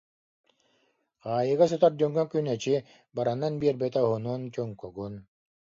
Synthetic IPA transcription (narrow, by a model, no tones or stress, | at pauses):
ʁaːjɯɣas̬ɔt̪aɾd͡ʑœŋɡœŋkynɛt͡ɕi | baɾanːanbiɛɾbɛt̪ɛɦunuːnt͡ɕœŋkɔɡun